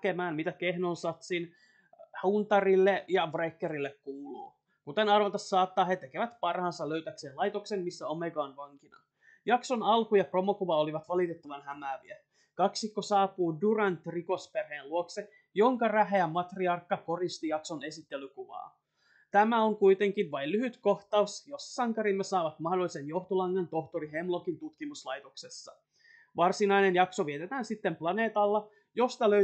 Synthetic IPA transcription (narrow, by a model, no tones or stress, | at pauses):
kemæːnmit̪ækehnonsɑt̪sin | hunt̪ɑrilːeʔjɑbrekːeɾilːekkuːlo̰ː | kut̪enɑrʋɑt̪ɑsːɑːt̪ːɑːɦet̪ekeʋæt̪pɑrhɑnsɑløyt̪ækseːnlɑjt̪oksenmisːæomeɡɑːnʋɑŋkinɑ | jɑksonɑlkujɑpro̞mokuʋɑoliʋɑt̪ʋɑlit̪et̪ːɑʋɑnhæmæːʋiæ | kɑksikːosɑːpuːdurɑnt̪riko̞sperheːluokse | jo̞ŋkɑræɦeæmɑt̪riɑrkːɑko̞rist̪ijɑkso̞ne̞sit̪ːe̞lykuʋɑ̰ː | t̪æmæo̞ŋkuit̪e̞ŋkinʋɑjllyɦyt̪ko̞ht̪ɑusjossɑŋkɑɾimːesɑːʋɑt̪mɑhdolːise̞njo̞ht̪olɑŋːɑnt̪o̞ht̪oɾiɦe̞mlokint̪ut̪kimuslɑjt̪oksesːɑ̥̰ | ʋɑrsinɑjne̞njɑkso̞ʋiet̪et̪æːnsit̪ːemplɑne̞ːt̪ɑlːɑ | jo̞st̪ɑlø